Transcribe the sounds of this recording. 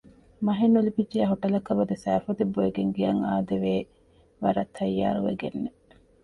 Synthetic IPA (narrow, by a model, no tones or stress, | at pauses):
mɐɦenːulipid͡ʒeɐɦoʈɐlɐkːɐbɐd̪esæːfɐt̪ebːoeɡeŋɡijɐŋaːd̪eʋeː | ʋɐɾɐt̪ʰːɐjːa̰ːɾuʋḛɡenːe